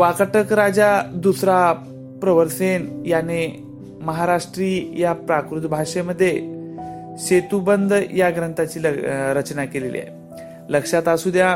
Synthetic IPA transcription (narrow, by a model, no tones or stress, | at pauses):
ʋakəʈəkɾad͡zad̪usɾa | pɾəʋəɾsenjane | məɦaɾaʂʈɾiːjapɾakɾut̪bʱaʂeməd̪ʱːje | ɕet̪ubənd̪ʱjaɡɾənt̪ʰat͡ɕiːləɾət͡ɕnakelelḭa̰j | ləkʂat̪asud̪ʱja